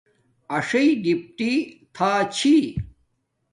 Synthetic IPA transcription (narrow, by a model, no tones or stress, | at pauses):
ɐʂɐiɖip̚ʈit̪ʰaːt͡ɕʰi